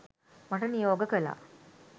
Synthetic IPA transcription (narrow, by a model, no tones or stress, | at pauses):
maʈənijoːɡəkəla̰